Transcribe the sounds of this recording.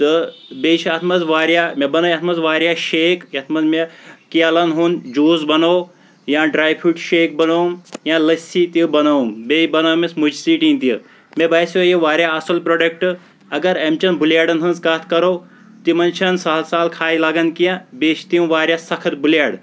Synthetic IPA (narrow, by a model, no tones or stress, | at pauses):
t̪ɨbeːt͡ʃʰɐt̪ʰmɐzʋaːɾjaːmebɐnɐjɐt̪ʰmɐzʋaːɾjaʃeːkjɐt̪ʰmɐzmekialɐnɦund͡ʒuːzbɐnoː | jãːɖɾaːjpʰuʈʃeːk̚bɐnowmjãlɐsit̪ibɐnombejbɐnoːmesmud͡ʒsiːʈĩnt̪i | mebaːsojiʋaːɾjaːɐsɐlpɾoːɖɐk̚ʈ | ɐɡɐɾemt͡ʃɐnbʱuljaːɽɐnɦɐnzkaːt̪ʰkɐɾoː | t̪imɐnt͡ʃʰɐnsaːlsaːlkʰaːilaːɡɐnkijãbeːt͡ʃʰt̪iũʋaːɾjaːsɐkʰɐt̪bʱuljaːɽ